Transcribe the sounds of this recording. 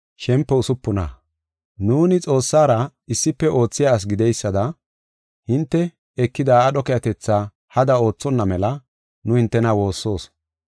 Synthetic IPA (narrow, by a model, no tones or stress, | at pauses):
ʃɛmpːɛʊsʊpːʊna̰ | nuːnɪt͡sʼo̞ːsːaːɾɐɪsːɪpːɛʔo̞ːt͡sːɪjaːs̬ɡɪd̪ɛjsːɐd̪ɐ | hɪnt̪ːɛ | ɛkːɪd̪aːɗɔkɛjɐt̪ɛt͡sːa | hɐd̪ɐo̞ːt͡sːɔnːɐmɛlɐ | nʊhɪnt̪ːɛnawo̞ːsːo̞ːs